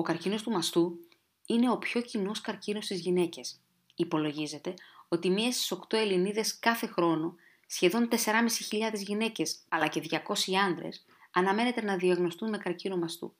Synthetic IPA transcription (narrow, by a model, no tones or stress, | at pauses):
o̞kɐɾcino̞st̪umɐst̪u | ine̞o̞pço̞cino̞skɐɾcino̞st̪izʝine̞ce̞s | ipo̞lo̞ʝize̞t̪e̞o̞t̪imiest̪i̥so̞kt̪o̞e̞liniðe̞skɐθe̞xɾo̞no | sçe̞ðo̞nt̪e̞se̞ɾɐmisiçiʎɐðe̞zʝine̞ce̞sɐlɐce̞ðʝɐko̞siɐnd̪ɾḛs | ɐnɐme̞net̪e̞nɐðiɐɣno̞st̪unme̞kɐɾcinomɐst̪ṵ